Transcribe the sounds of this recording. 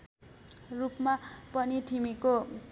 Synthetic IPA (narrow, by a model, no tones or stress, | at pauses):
rupmapʌniʈʰimiko